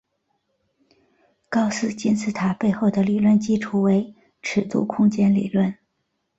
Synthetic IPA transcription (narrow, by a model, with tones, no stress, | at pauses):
kɑ˥ʊsɹ̩˥˧t͡ɕi˥nt͡sʰɹ̩˥˩t̪ʰa˧˩pe˥˧ɪxo˥˩ʊd̪ə˩li˨˩lwə˥˩nt͡ɕi˥ʈ͡ʂʰu˧˥we˧˥ɪ | ʈ͡ʂʰɻ̩˨˩t̪ṵ˥˩kʰʊ˥ŋt͡ɕjɛ˥nlḭ˨˩lwə˥˩n